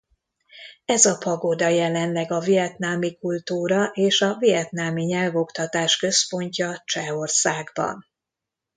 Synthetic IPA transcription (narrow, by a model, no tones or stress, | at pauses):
ɛzɒpɒɡod̪ɒjɛlɛnlɛɡɒvijɛt̪naːmikult̪uːɾɒʔeːʃɒvijɛt̪naːmiɲɛlvo̞kt̪ɒt̪aːʃkø̞spo̞ɲcɒt͡ʃɛo̞rsaːɡbɒ̰n